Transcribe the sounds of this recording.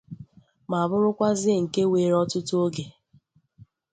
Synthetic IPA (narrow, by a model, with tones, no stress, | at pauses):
ma˨a˨bʊ˦ɾʊ˦kʷa˦zɪ˦˨ŋ̩˨ke˦we˨ɾɔ˦tʊ˦tʊ˦o˦ɡe˨